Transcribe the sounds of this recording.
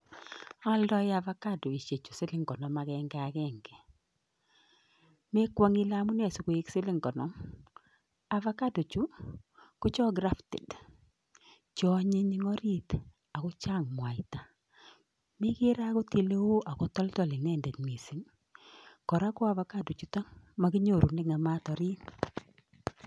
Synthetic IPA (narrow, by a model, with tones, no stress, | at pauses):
a˦ldɔ˦jɪ˦a˨va˦ka˦do˨i˨ʃe˨t͡ʃu˨sɪ˦lɪ˦ŋkɔ˨nɔ˨ma˨kɛ˦ŋɡa˨kɛ˦ŋɡɛ˨ | me˦kwɔ˦ŋɪ˦la˦mu˦nɛ˦˨su˨ko˨e˦ksɪ˦lɪ˦ŋkɔ˨nɔ˦ | a˨va˦ka˦do˨t͡ʃu˦ko˦t͡ʃɔ˦ɡɾa˦ftɛ̰˨d | t͡ʃɔ˦ɲe˦ɲi˦ŋɔ˦ɾi˦t̪ | a˨kɔ˦t͡ʃa˦˨ŋm˨a˨ɪ˦ta˨ | mɪ˦kɪ˦ɾa˦ko˦te˨le˦wo˦ʔa˨kɔ˦tɔ˦ltɔ˨lɪ˨nɛ˦˨ndɛ˨tmi˨si˨˦ŋ | kɔ˨ɾa˦kɔ˦a˦va˨˦ka˦˨do˨t͡ʃu˦tɔ˦ŋma˨ɡi˦ɲo˦˨ɾu˨nɪ˦ŋa˨ma˦tɔ˨ɾi˦n